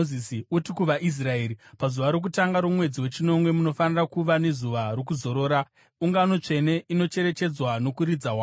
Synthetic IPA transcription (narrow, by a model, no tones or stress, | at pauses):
isiutikuʋaʔis̬raeːɾipazuʋaɾo̞k̬utaŋɡaɾomwe̞d͡ziwe̞t͡ʃino̞mwe̞muno̞fanirakuʋane̞zuʋarokuzo̞ɾo̞ːɾa | uŋɡano̞t͡ʂe̞ne̞ʔino̞t͡ʃe̞ɾe̞t͡ʃe̞d͡zwano̞kuɾid͡zawa